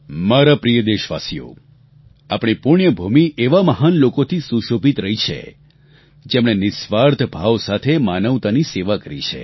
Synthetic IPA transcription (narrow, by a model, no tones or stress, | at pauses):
maɾapɾijəd̪eʃʋa̰sijo̰ | apɽ̃ipuɳjəbʱumiʔeʋaməɦanlokot̪ʰisuʃobʱit̪ɾəɦit͡ʃʰḛ | d͡ʒemɳ̃enɪsʋaɾd̪ʱbʱaʋsat̪ʰemanəʋt̪aniseʋakəɾḭt͡ʃʰḛ